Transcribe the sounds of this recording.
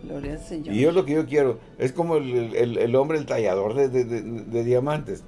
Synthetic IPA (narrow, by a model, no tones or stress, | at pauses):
iʝo̞lo̞ke̞ʝokje̞ɾo̞ | e̞sko̞moeleelelo̞mbɾe̞ːlt̪aʝað̞o̞ɾðeðeðeðe̞ðjamãnt̪es